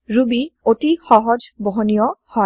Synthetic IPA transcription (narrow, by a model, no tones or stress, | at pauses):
ɾubiotixɔɦɔd͡ʑboɦonijɔhɔ